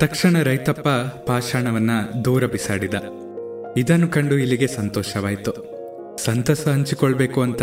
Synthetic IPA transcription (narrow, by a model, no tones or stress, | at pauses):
t̪ɐkʂɐɳɐɾɐjt̪ɐpːɐpaːʃaːɳɐʋɐnːɐd̪uːɾɐbisa̰ːɽid̪ɐ | id̪ɐnːukɐɳɖuilːiɡe̞sɐnt̪ɔːʃɐʋaːjt̪u | sɐnt̪ɐsɐɦɐɲt͡ʃikɔɭbe̞ːkuɐnt̪ɐ